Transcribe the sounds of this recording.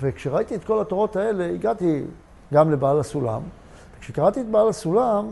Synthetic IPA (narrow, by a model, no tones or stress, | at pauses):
vekʃeʁait̪iet̪̚ko̞lat̪o̞ʁo̞t̪ae̞le̞iɡat̪i | ɡamle̞baːlasula̰m | vekʃekaʁat̪iet̪baːlasulam